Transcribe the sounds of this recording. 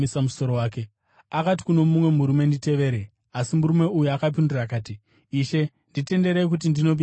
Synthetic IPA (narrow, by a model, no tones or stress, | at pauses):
samuso̞ɾowaːke | akat̬i̥kuno̞mumwe̞muɾume̞ndite̞ʋe̞ɾe | asimuɾume̞ujuakap̬indurakaːti | iʃe̞ | ndite̞nde̞ɾek̬ut̬indino̞p̬i